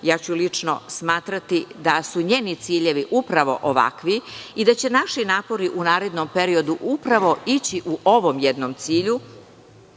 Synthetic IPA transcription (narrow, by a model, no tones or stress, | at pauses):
jaːt͡ɕulit͡ʂno̰smaːt̪ɾat̪id̪asuɲe̞ːnit̪siːʎe̞ʋiʔupɾaʋo̞̰ʔoʋa̰kʋiid̪at͡ɕe̞naʃinaːpo̞ɾiʔunaːɾe̞d̪nompe̞ɾio̞d̪uʔupɾaʋo̞it͡ɕiʔuʔoʋo̞mjɛd̪nomt̪siːʎu